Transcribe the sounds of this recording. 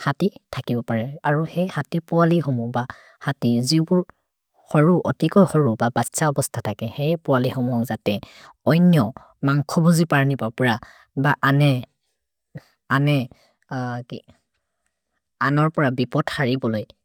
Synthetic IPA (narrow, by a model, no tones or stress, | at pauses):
hatitʰakibɔpaɹɛaɹuxɛjhatipʊalixɔmuba | hatizibʊɹ | hɔɹuʔɔ̰tikɔjxɔɹubabatsaɔbɔstʰatʰakɛxɛjpʊalixɔmuɔkzatɛ | ɔjnjɔ | maŋkʰɔbɔzipaɹnipapɔɹa | baʔanɛ | anɛ | ki | anɔɹpɔɹabipɔtxaɹibɔloj